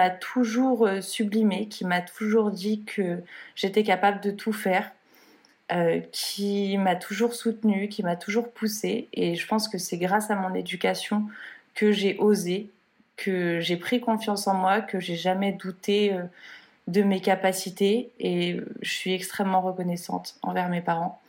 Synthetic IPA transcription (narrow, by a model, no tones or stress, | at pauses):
at̪ʰuʒuʁøsyblimekʲʰimat̪ʰuʒuʁd̪ikʰəʒ̥et̪ɛkapabləd̪ət̪ʰufɛːʁ | økʲʰimat̪ʰuʒuʁsut̪nyk̬ʲimat̪uʒuʁpʰuseeʒəpɑ̃skəsɛɡʁasamɔ̃ned̪ykʲasjɔ̃kəʒeʔoze | kʰəʒepχikɔ̃fjɑ̃sɑ̃mwakəʒeʒamɛd̪ut̪eø | d̪əmekapasit̪eeø̰ʒəsɥiɛkst̪χɛmːɑ̃ʁəkɔnɛsɑ̰̃t̪ɑ̰̃vɛʁmepaʁɑ̃